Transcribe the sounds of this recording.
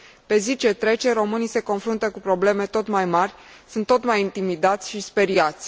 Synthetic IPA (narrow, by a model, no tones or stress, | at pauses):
pe̞zit͡ʃe̞t̪ɾe̞t͡ʃe̞ɾo̞mɨnijse̞ko̞nfɾunt̪əkupɾo̞ble̞me̞t̪o̞t̪majmarʲ | sunt̪ːo̞t̪majint̪imid̪at̪sʲʃispe̞ɾiat̪sʲ